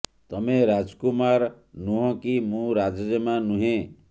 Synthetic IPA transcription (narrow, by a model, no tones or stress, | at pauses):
t̪ɔmeɾad͡ʒkumaɾ | nũɦɔ̃kimũɾad͡ʒɔd͡ʒemanũɦẽ